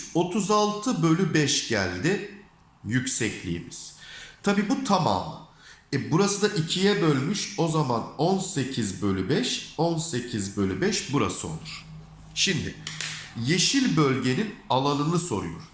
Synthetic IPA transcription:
o̞t̪ʰuzalˠt̪ʰɯbø̞lʲybɛʃɟæ̰lʲd̪ɪ | jycsɛclʲḭjːmiz̥t̪ʰabiːbut̪ʰama̰ːmˠa̰ | ɛbuɾasɯd̪aʔicʰijɛbø̞lʲmyʃo̞zamanonse̞cʰizbø̞lʲybɛʃo̞nse̞cʰizbølʲybɛʃbuɾa̰sɯo̞̰lˠuɾ̥ | ʃimd̪ɪje̞ʃilʲbø̞lʲɟe̞ninalˠanɯnɯso̞̰ɾṵjo̰ɾ

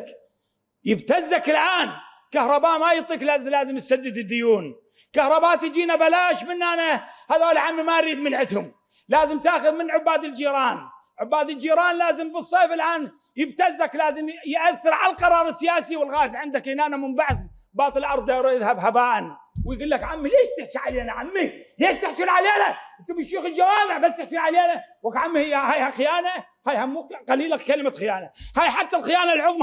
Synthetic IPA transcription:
jɪbt̪azːakɪlʔaːn | kahɾˤɑbaːʔmajɨt̪ˤːiːklaːzlaːzɪmjsad̪ːɪd̪ɪd̪ːʊjuːn | kahɾˤɑbaːt̪jd͡ʒiːnabalaːʃbɪnːanahaːðoːlʕamimajɾiːd̪mɪnʕɪt̪hʊm | laːzɪmt̪aːxʊðmɪnʕʊbːaːd̪ɪld͡ʒiːɾˤɑːn | ʕʊbːaːd̪ɪld͡ʒiːɾɑːnlaːzɪmbɨsˤːeːfɪlʔaːn | jɪbt̪azːaklaːzɪmjʔaθːɪɾʕalalqɑɾˤɑːɾˤɪsːɪjaːsiwɪlɣaːzʕɪnd̪akʔɪnaːnamɪmbaʕθ | bɑːt̪ˤɨlʔɑɾˤðˤaɾˤjɪðhabhabaːʔan | wjɡuːlːakʕamːileːʃt̪ɪħt͡ʃiʕaleːnaʕamːileːʃt̪ɪħt̪ulʕaleːnaʔt̪abɪʃːuːxɪld͡ʒawaːmɪʕbasːt̪ɪħt̪ulʕaleːnawakʕamːihɪjːhaːjhaxɪjaːna | haːjhamuːqaliːlakkalɪmaxɪjaːnahaːjħat̪ːalxɪjaːnalʕʊðˤm

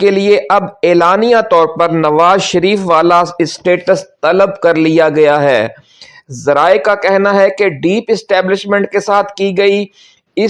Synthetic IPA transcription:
kelieʔɐbeːlaːnijat̪ɔːɾpɐɾnɐʋaːzʃɐɾiːfʋaːlaɪsʈeːʈəst̪ɐləbkɐɾlijaɡɐjaɦɛː | zɐɾaːekakɛɦnaɦɛkeɖiːpɪsʈɛːblɪʃmɛ̃ɳʈ̚kesaːt̪ʰkiɡɐi | ɪ

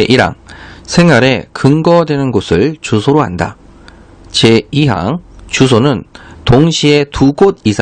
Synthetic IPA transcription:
eʔiɾa̰ŋsʰe̞ŋaɾe̞kɯŋɡʌdwe̞nɯnɡosʰɯɭt͡ɕusʰoɾoɦa̰nda̰ | t͡ɕeiɦa̰ŋt͡ɕusʰonɯntoŋɕʰie̞tuɡod̚isʰa

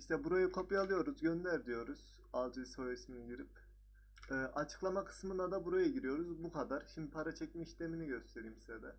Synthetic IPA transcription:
iʃt̪ʰɛbuɾajukʰo̞pjalˠɯjo̞ɾuzɟønlʲæɾd̪ijo̞ɾuz̥ | alˠd͡ʒɯishojisminiɟiɾip̚ | ɛːʔat͡ʃʰɯ̥klˠamakʰɯ̥smɯnad̪abuɾajuɟiɾijo̞ɾuzbukʰad̪aɾʃimd̪ipʰaɾat͡ʃʰɛcmɛiʃt̪eminiɟø̞st̪ʰe̞ɾijimsizɛd̪ɛ

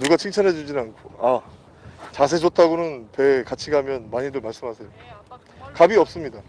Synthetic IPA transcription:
nuɡat͡ɕʰiŋt͡ɕʰʌnɦe̞d͡ʑud͡ʑinɯankʰoa | t͡ɕas̬ʰe̞d͡ʑot̚ʰaɡonɯntwe̞kat͡ɕʰiɡɦamjʌnmaɲidomaɭs͈ɯmɦasʰe̞jo | kabiʌp̚s͈ɯmɲida

